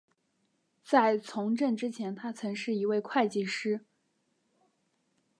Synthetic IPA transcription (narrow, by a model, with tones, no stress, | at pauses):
t͡sa˥˩ɪt͡sʰʊ˧˥ŋʈ͡ʂə˥˩nʈ͡ʂɻ̩˥t͡ɕʰjɛ˧˥nt̪ʰa˥t͡sʰɤ˧˥ŋʂɻ̩˥˩i˧˥we˥˧ɪkʰwa˥˧ɪt͡ɕi˥˩ʂɻ̩˥